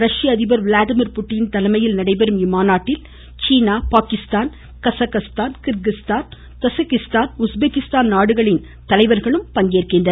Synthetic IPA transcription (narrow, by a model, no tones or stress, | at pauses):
ɾɐʂɪjɐːðɪbɐɾʋlaːðɪmɪɾpʊʈːɪjɪnt̪ɐlɐmɐjɪlnɐɽɐɪbɛɾɯmɪmaːnaːʈːɪl | t͡ʃiːnaːpaːkɪst̪aːn | kɐsɐkɐst̪aːnkɪɾɡɪst̪aːn | t̪ɐsɪkːɪst̪aːnʊsbeːkːɪst̪aːnnaːɽɯɣɐɭɪn | t̪ɐlɐɪʋɐɾɣɐɭɯmpɐŋɡeːrkɪndɐ